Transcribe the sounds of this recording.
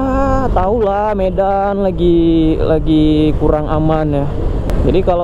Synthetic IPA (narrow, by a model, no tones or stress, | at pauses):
t̪aula | meda | nlaɡilaɡikuɾaŋʔamanja | d͡ʒadikala